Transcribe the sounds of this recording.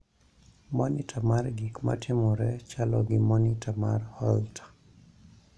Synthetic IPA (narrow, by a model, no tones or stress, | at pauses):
mɔnitʰamarɡikma̰tʰɪmɔɾɛt͡ʃalɔɡimɔnitʰamarhɔltʰḁ